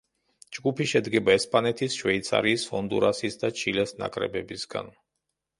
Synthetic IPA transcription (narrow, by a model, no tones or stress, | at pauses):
d͡ʒɡupʰiʃɛd̪ɡɛbaɛspʼanɛt̪ʰisʃwɛit̪sʰa̰ɾiːsɔnd̪ṵɾasisd̪at͡ʃʰilɛsna̰kʼɾɛ̰bɛbisɡa̰n